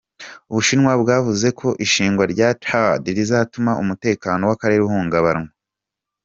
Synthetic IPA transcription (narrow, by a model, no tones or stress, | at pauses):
uβuʃinŋwabɡaːvuze̞kʰo̞ʔiʃiːŋɡwaɾɟatʰadiɾizaːtumaʔumute̞ːkaːno̞wakaɾe̞ɾuhuːŋɡaβaɾŋa